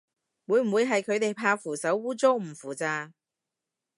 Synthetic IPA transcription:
wuː˨˥jm̩˨˩wuː˨˧jɦɐ˨jkʰɵ˨˧ɥt̪e˨jpʰaː˧fuː˨˩sɐ˨˥wːuː˥t͡so˥wm̩˨˩fuː˨˩t͡saː˧

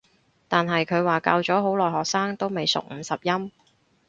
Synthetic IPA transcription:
t̪aː˨nɦɐ˨jkʰɵ˨˧ɥwaː˨ka̰ː˧wt͡ʃɔː˨˥ɦo˨˥wlɔː˨˩jɦɔː˨k̚saː˥ŋt̪o˥wme˨jsʊ̰˨k̚m̩ː˨˧sɐ˨p̚jɐ˥m

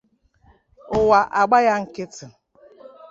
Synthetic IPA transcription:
ʊ˨wa˨ʔa˨ɡ͡ba˦ja˦ŋ̩˦kɪ˦tɪ˨

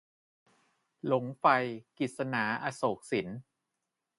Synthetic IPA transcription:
lo˩˦ŋfa˧jki˨˩t̪̚sa˧naː˩˦ʔa˧soː˨˩k̚si˩˦n

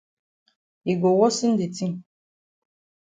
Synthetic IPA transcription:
i˨ɡo˨wɔ˦si˦n̩˦de˨ti˦ŋ

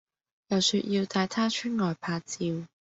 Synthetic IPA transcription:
jɐ˨˩wsyː˧t̚jiː˧wt̪aː˧jt̪ʰaː˥t͡ʃʰy˥n̚ŋɔː˨˩jpʰaː˧t͡siː˨˧w

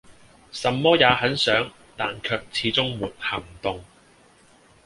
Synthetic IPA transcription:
sɐ˨mːɔː˥jaː˨˧hɐ˨˥nsœː˨˥ŋ | t̪aː˨nkʰœː˧k̚t͡sʰiː˨˥t͡sʊ˥ŋmuː˨˩t̚hɐ˨˩ŋt̪ʊ˨ŋ

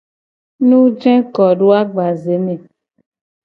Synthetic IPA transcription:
nũ˦d͡ʒɛ̃˦kɔ˨ɖo˦a˦ɡ͡ba˨ze˨˦nɛ̃˨

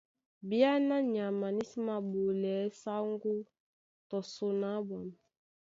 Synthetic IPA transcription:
bi˦a˦na˦ɲa˨ma˨ni˦si˦ma˨bo˨lɛ˨˦sa˦ŋɡu˦ | tɔ˨so˨na˨˦bwa˨m˨

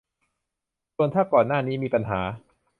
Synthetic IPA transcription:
t͡ɕu˧ənt̪ʰaː˥˩kɔː˨˩nːaː˥˩niː˦˥miː˧pa˧nɦaː˩˦

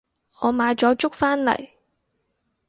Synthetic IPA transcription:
ŋɔː˨˧maː˨˧jt͡sɔː˨˥t͡sʊ˥k̚faː˥nlɐ̰˨˩j

